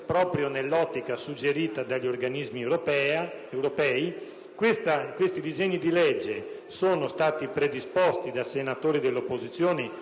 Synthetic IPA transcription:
pɾɔːpɾjonelːɔt̪ːikasud͡ʒːeɾiːt̪ad̪aʎːiorɡanizmieɾopɛewɾopɛːi | kwest̪akwest̪id̪izeɲːid̪ilɛd͡ʒːe | soːnost̪aːt̪ipɾed̪ispost̪id̪asenat̪oːɾid̪elːopːozit̪sːjoːne

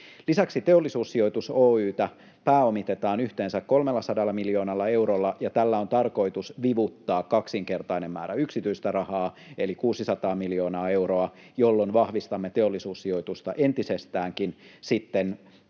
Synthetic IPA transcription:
lisæksit̪e̞olːisuːsːio̞jt̪usoːyːt̪æ | pæːo̞mit̪et̪ɑːnyht̪eːnsækko̞lmelːɑsɑdɑlːɑmiljoːnɑlːɑe̞wɾolːɑjɑt̪ælːæo̞nt̪ɑrko̞it̪usʋiʋut̪ːɑːkːɑksiŋke̞rt̪ɑinemmæ̰ːɾæyksit̪yist̪ærɑhɑː | elikuːsisɑt̪ɑːmiljo̞ːnɑːe̞wroɑ | jolːonʋɑhʋist̪ɑmːet̪e̞o̞lːisuːsːio̞jt̪ust̪ɑʔe̞nt̪isest̪æːŋkinsit̪ːen

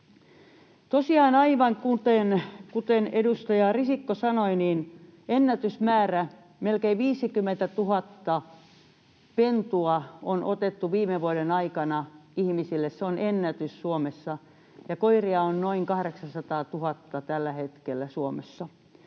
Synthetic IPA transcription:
t̪osiɑːnɑiʋɑŋkut̪enkut̪enedust̪ɑjɑrisikːosɑnoiniːnenːæt̪ysmæːræ | melkeiʋʋiːsikymːent̪æt̪uɦhɑt̪ːɑ | pent̪uɑonʔot̪et̪ːuʋiːmeʋuodenɑikɑnɑihmisilːesseonʔenːæt̪yssuomesːɑ | jɑkoiriɑonnoiŋkɑhɾeksɑnsɑt̪ɑːt̪uhɑt̪ːɑt̪ælːæhet̪kelːæsuomesːɑ

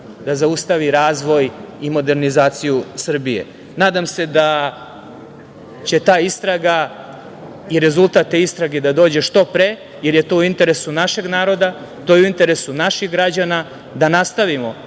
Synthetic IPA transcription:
d̪azaust̪aʋiɾaːzʋo̞j | imo̞d̪e̞ɾnizaːt̪sijusr̩bije̞̰ | naːd̪amse̞d̪a | t͡ɕe̞t̪aːist̪ɾaɡa | iɾe̞zulˠt̪at̪t̪ːeist̪ɾaɡe̞d̪ad̪o̞ːd͡ʑe̞ʃt̪o̞pɾe | jeɾje̞t̪o̞uint̪e̞ɾe̞sunaʃe̞ɡnaːɾo̞d̪a | t̪o̞jeuint̪e̞ɾe̞sunaʃixɡɾad͡ʑana | d̪anast̪aʋimo̞

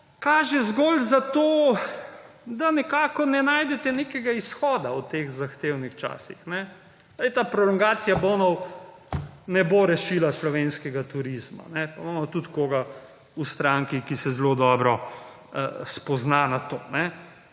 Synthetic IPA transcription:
kaːʒɛzɡɔːlzat̪oː | d̪anɛkaːkɔnɛnaːjd̪ɛt̪ɛnekɛɡaisxɔːd̪aut̪eːɣzaxt̪eːwnixt͡ʃa̰ːsixnɛ | ajt̪apɾɔlɔŋɡaːsijaboːnɔw | nɛboɾɛʃilaslɔʋeːnskɛɡat̪uɾizma̰nɛpamamɔt̪ut̪koːɡa | ust̪ɾaŋkikisɛzlod̪ɔːbɾɔ | spɔznanat̪o̰ːnɛ

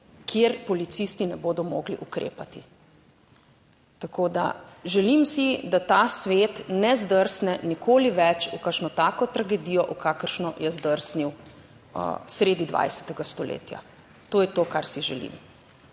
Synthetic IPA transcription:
kʰjeɾpɔlit̪sist̪inɛboːd̪ɔmo̰ɡlḭʔukɾḛːpat̪i | t̪akʰoːd̪a̰ʒɛlimsid̪at̪asʋeːt̪nɛzd̪əɾsnɛnikʰoːliʋɛt͡ʃukəɾʃnɔt̪aːkɔt̪ɾaɡed̪ijɔʔukakəɾʃnɔjɛzd̪əɾsniw̰ | sɾeːd̪id̪ʋa̰jsɛ̥t̪ɛɡast̪ɔlḛːt̪ja̰ | t̪oːjɛt̪oːkaɾsiʒɛlḭm

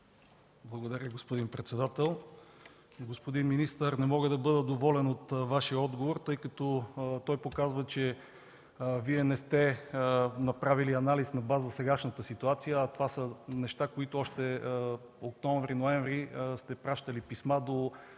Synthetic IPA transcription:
blˠɐɡod̪ɐɾʲəɡospod̪inpɾɛt̪sɛd̪at̪ɛlˠ | ɡospod̪inminist̪əɾnɛmɔɡəd̪ɐbɤd̪əd̪ovɔlɛnot̪vaʃijəɔd̪ɡovoɾt̪ɤjkɐt̪ɔt̪ɔjpokazvət͡ʃɛ | viɛnɛst̪ɛ | nɐpɾaviliɐnalisnɐbazəsɛɡaʃnət̪əsit̪uat̪sijəːt̪ovasənɛʃt̪akoit̪ʊɔʃt̪ɛ | okt̪ɔɱvɾinoɛɱvɾist̪ɛpɾaʃt̪əlipismad̪o

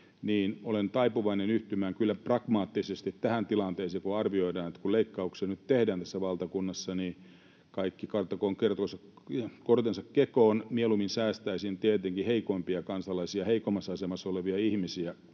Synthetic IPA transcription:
niːnolent̪ɑipuʋɑinenyht̪ymæːŋkylːæprɑkmɑːt̪ːisest̪it̪tæhænt̪ilɑnt̪eːseːkuɑrʋioidɑːnet̪ːkuleikːɑuksenyt̪t̪ehdæːnt̪æsːæʋɑlt̪ɑkunːɑsːɑniː | kɑikːikɑrt̪ɑkoːŋkert̪osɑkort̪ensɑkkekoːnmieluminsæːst̪æisint̪iet̪eŋkiheikompiɑkɑnsɑlɑisiɑheikomːɑsɑsemɑsoleʋiɑihmisiæ

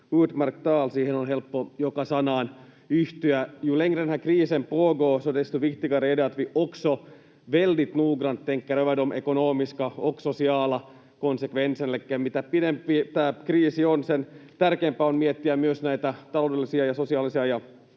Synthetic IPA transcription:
uːd̪mɑrk̚t̪ɑːlsiːhenonɦelpːojokɑsɑnɑːn | yht̪yæjuleŋɡrenhækriːsempoːɡoːsod̪est̪uʋikt̪ikɑreːdeɑt̪ʋiʔokso | ʋelːit̪nuːɡrɑnt̪ːeŋkːæɾøʋædomʔḛkonoːmiskɑoksosiɑːlɑ | konsekʋensenelikːæːmmit̪æpinempit̪æːkriːsionsent̪ærkeːmpæonmiet̪ːiæmyøsnæit̪æt̪ɑlodelːisiɑjɑsosiɑːlisiɑjɑ

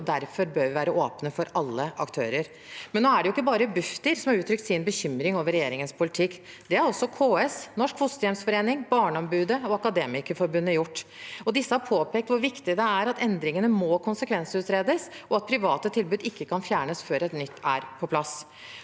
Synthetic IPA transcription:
d̪æɾfɔɾbøːɾʋɪʋæːɾəʔoːpnəfɔɾɑlːəʔɑkt̪ʰøːɾəɾ | mɛnːoːæɖɛjʊɪkːəbɑːɾəbʉft̪əɾsɔmhɑɾʉːt̪ɾʏk̚t̪sɪnbəçʏmɾɪŋoːʋəɾɛjeːɾɪŋənspʊlɪt̪ʰɪkː | d̪ɛæɾɔsːɔkʰoːɛsnɔʂkhʊst̪əjɛmsfɔɾeːnɪŋbɑːɳəɔmbʉːd̪əɔɑkɑd̪eːmɪkəfɔɾbʉnːəjʊʈːɔd̪ɪsːəhɑɾpʰoːpeːk̚t̪ʋʊɾʋɪkt̪ɪəd̪ɛæɾɑt̪ɛnd̪ɾɪŋənəmoːkʰʊnsəkʰʋɛnsəʉːt̪ɾeːd̪əsɔɑt̪̚pʰɾɪʋɑːt̪ət̪ʰɪlbʉːd̪ɪkːəkʰɑnfjæːɳəsføːɾɛt̪nʏt̪ʰːæ̰ɾpʰɔpʰlɑsː

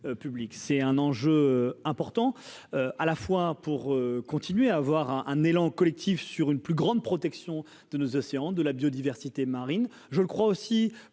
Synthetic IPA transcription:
øpybliksɛt̪ɛ̃nɑ̃ʒøøɛ̃pɔʁt̪ɑ̃øalafwapuʁøkɔ̃t̪inɥeaːvwaʁɛ̃ʔɛ̃nelɑ̃kɔlɛk̚t̪ifsyʁynplyɡʁɑ̃d̪̚pχɔt̪ɛksjɔ̃ | d̪̥ənozɔseɑ̃d̪əlabjod̪ivɛʁsit̪emaʁin | ʒələkχwaosi

